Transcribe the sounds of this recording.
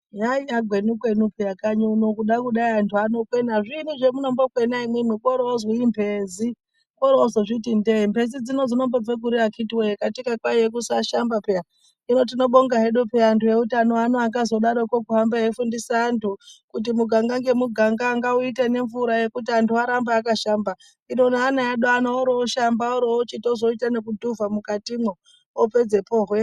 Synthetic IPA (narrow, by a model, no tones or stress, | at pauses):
jaiaɡʱwe̞nukwenupejakaɲonokuɗakuɗaiantʰuano̞kwe̞naʐinuʐe̞muno̞mbokwenaimwemwekoɾooziimbʱezi | koɾoozoʐitindeimbe̞zid͡zino̞zino̞mbeb͡veɡʱuɾiakʰitiwejekatikakwajek̬usaʃambapeja | ino̞t̬ino̞ɓo̞ŋɡaɦeɗupeantuje̞utano̞ano̞aŋɡazo̞ɗaɾokokuɦambajefundisaːntʰukut̬imuɡʱaŋɡaŋɡe̞muɡʱaŋɡaːŋɡauitane̞ɱvuɾaje̞kutiantuaɾambaːkaʃamba | ino̞naːnajaɗoanooɾoːʃambaoɾot͡ʃitozo̞itanekudʱuvamukatimwo | ope̞d͡ze̞po̞ːɦwe̞